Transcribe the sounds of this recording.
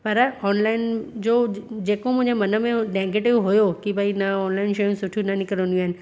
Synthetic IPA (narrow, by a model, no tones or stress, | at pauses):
pɐɾɔːnlaːɪnd͡ʑoːd͡ʑeːkomʊ̃ɪ̃ɲd͡ʑemɐnəmẽnẽːŋɡeʈɪʋɦʊjokibʱɐinɐɔːnlaːɪnʃɐjũsʊʈʰjũnɐnɪkɾõnd̪ĩaːɦɪnɪ̆